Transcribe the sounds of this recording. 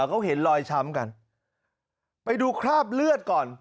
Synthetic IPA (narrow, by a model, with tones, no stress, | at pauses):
wkʰa˦˥˩wɦe˩˦nlɔː˧jt͡ɕʰa˦˥mka˧n | pa˧jduː˧kʰɾaː˥˩p̚lɯ˥˩ət̪̚kɔː˨˩n